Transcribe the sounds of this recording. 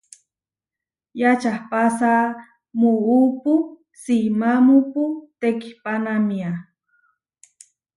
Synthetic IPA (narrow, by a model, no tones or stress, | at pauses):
jat͡ʃahpasa | muupu | simamuput̪eki̥panamia